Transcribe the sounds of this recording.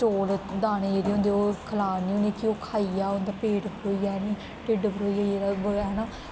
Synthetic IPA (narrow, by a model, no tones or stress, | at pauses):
ʈoːld̪aːñeːd͡ʒeːɾiːɦʊ̃ːnd̪eoːkʰəlaːniːõːneːkioːkʰaːijaːʊ̃nd̪aːpeːʈbəɾoːiːaːniː | ʈɪɖbəɾoːijaːd͡ʒeːɾabəaɦɛnaː